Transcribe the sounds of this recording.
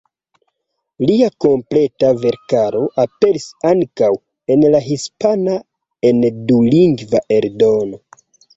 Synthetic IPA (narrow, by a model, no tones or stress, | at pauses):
liako̞mple̞tave̞ɾkaɾo̞ʔape̞ɾisaŋkaw | e̞nlaɦispana | enduliŋɡvaʔe̞ɾdo̞no̞